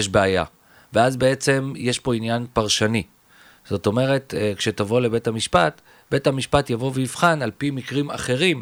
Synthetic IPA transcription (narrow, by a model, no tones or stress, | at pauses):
jeʃbeaja̰ | veazbe̞et͡se̞mjeʃpo̞injanpaʁʃani | z̥o̞to̞me̞ʁe̞tkʃe̞tavo̞le̞be̞tamiʃpat | be̞tamiʃpatjavo̞vejifχanalpimikʁima̰χe̞ʁim